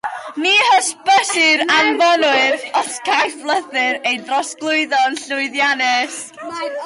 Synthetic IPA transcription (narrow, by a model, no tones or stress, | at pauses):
miːhəsb̥əsɪɾamvɔnʊɨðɔskʰajflˠəðɨɾejdrɔsɡ̥lˠʊɨðɔnɬʊɨðjanɪs